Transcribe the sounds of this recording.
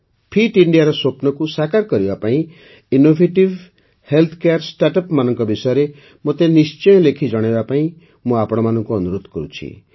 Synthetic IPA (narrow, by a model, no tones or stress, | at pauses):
pʰiʈiɳɖijaɾɔsopnɔkusakaɾkɔɾibapaĩ | inobʱeʈib | helt̪ʰɔ̥kejaɾsʈaʈɔpmanɔŋkɔbisɔjɔɾe | mot̪enist͡ʃɔj̃ɔlekʰid͡ʒɔɽ̃ebapaĩ | mũapɔɽ̃ɔmanɔŋkuɔnuɾod̪ʱkɔɾut͡ʃʰḭ